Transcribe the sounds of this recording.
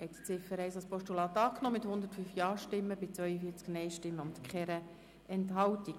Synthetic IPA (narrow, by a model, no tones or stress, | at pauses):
hɛt̪t͡sɪfəɾɛɪsɑlspɔʃtulɑːt̪ːɑːknɔːmɪt̪hʊnd̪ətfyːfjɑːɾʃtɪmːəbɪt͡svœʏəfiːt͡sknɛɪʃtɪmːəʊnt̪kχɛɾə | ʔɛntɦɑwti